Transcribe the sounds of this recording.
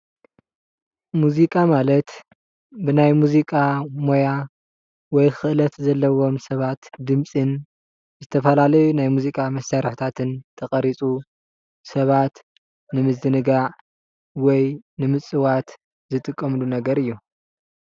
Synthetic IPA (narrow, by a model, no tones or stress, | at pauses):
muzikʼamalɐt̪ | bɨnajmuzikʼamo̞ja | wɔjxɨʔlɐt̪zɐlːɐwo̞msɐβat̪d̪ɨmt͡sʼɨn | zɨt̪ʰɐfɐlalɐjunajmuzikʼamɐsaɾħt̪ʰat̪ʰɨnt̪ʰɐxʼɐɾit͡sʼu | sɐβat̪ | nɨmɨzd̪ɨnɨɡaʕ | wɔjnɨmɨt͡sʼɨwat̪ | zɨt̪ʼɨkʼːɐmlunɐɡɐɾɨjːu